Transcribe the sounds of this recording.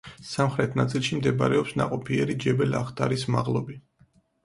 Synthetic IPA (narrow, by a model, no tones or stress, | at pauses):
samχɾɛt̪ʰnat̪sʼilˠʃimd̪ɛba̰ɾɛɔpsnaqʼɔpʰiɛɾid͡ʒɛbɛlaχt̪ʰʼaɾisma̰ʁlˠɔbi